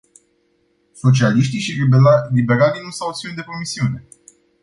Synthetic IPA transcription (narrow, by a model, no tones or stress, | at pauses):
so̞t͡ʃialiʃt̪iʃilibe̞ɾalinusawosiund̪e̞pɾo̞misiune̞